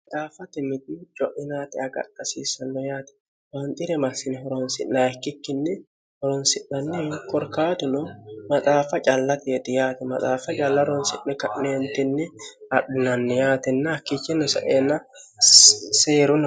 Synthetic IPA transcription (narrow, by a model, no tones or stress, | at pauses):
mmɐt̪ʼaːfɐt̪ɪmɪd̪ɪd͡ʒɔʔɪnaːt̪ɪɐɡɐ̰kːɐsiːsɐnːɔjaːt̪ɛ̥ | wɐnt̪ʼɪɾɛmɐsɪnɪhɔɾɔnsɪnːɐɐkːɪkːɪnːɪ | hɔɾɔnsɪʔːɐnːɪkɔɾkaːt̪ʊnɔmɐt̪ʼaːfɐt͡ʃʼɐlːɐt̪ɛːt̪ɪjaːt̪ɪmɐt̪ʼaːfɐt͡ʃʼɐlːɐɾɔnsɪʔːɛkɐʔeːnt̪ɪnːɪɐᶑɪnɐnːɪjaːt̪ɪnːɐɐkːit͡ʃːɪnːɔsɐ̰ʔeːnːɐ | seːɾʊnɔ